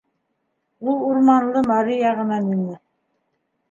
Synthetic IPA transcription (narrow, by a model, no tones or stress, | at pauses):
ulˠuɾmɑnlˠɤmɑɾijɑʁɤ̆nɑminɘ